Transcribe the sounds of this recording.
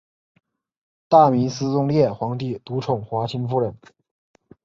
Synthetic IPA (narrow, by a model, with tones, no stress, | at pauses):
t̪a˥˩mi˧˥nsɹ̩˥t͡sʊ˥ŋljɛ˥˩xwɑ˧˥ŋt̪i˥˩t̪u˧˥ʈ͡ʂʰʊ˨˩ŋxwa˧˥t͡ɕʰi˧˥nfu˥˩ɻə˨˩˦n